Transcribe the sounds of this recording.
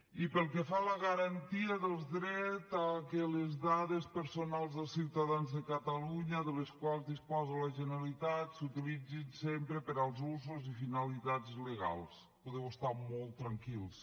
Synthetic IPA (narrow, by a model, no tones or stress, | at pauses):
ipəlˠkɛfaləɣəɾant̪iəðəlˠd̪ɾɛtakələzðaðespəɾsonalˠzðəlˠsiwt̪aðanzðəkət̪əluɲəðələskwalˠzðispɔzələʒənalit̪at̪sut̪ilid͡zinsempɾəpəɾalˠzuzuzifinalit̪ad͡zləɣa̰lˠs | poðɛwəst̪amɔlˠt̪ːɾaŋkilˠs